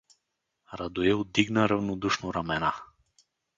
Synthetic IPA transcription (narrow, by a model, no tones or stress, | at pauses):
ɾad̪uɛlˠd̪iɡnaɾavnɔd̪uʃnɔɾamɛna